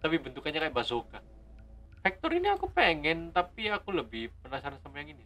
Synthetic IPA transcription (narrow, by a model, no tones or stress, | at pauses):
t̪apibənt̪ukanɲakajabasoka | fɛk̚t̪ɔɾiniakupeŋɛnt̪apiakuləbɪhpənasaɾansamajaŋini